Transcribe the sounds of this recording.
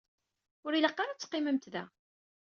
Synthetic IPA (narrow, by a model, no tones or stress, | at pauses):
ʊɾiləqːaɾat͡sːə̥qːɪməmt̪ðæ̰